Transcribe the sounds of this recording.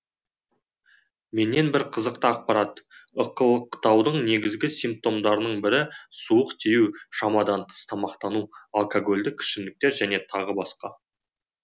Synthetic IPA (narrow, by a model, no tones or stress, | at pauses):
me̞nːe̞nbɪɾqʰəzəq̚t̪əɑq̚pɑɾɑt̪əqəlˠəqʰːt̪ɑwd̪əɴne̞ɡʲɪzɡʲɪsijmp̚t̪o̞md̪ɑɾənəɴbɪɾɪsuəqt̪ʰejuwʃɑmɑd̪ɑnt̪ʰə̥st̪ʰɑmɑqt̪ɑnualˠkoɡo̞lʲd̪ɪkʲʰɪ̥ʃɪmd̪ɪk̚t̪e̞ɾʒæne̞t̪ʰɑʁəbɑsqɑ